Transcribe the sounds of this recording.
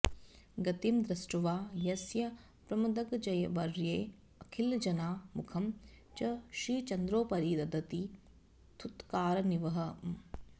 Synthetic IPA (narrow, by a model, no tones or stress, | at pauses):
ɡɐt̪imd̪ɾɐsʈuʋaːjɐsjɐ | pɾɐmɐd̪ɐɡd͡ʒɐjɐʋɐɾjeː | ɐkʰild͡ʒɐnaːmukʰɐm | t͡ʃɐʃiːt͡ʃɐnd̪ɾoːpɐɾiːd̪ɐd̪ɐt̪i | t̪ʰut̪kaːɾɐniʋɐɦɐ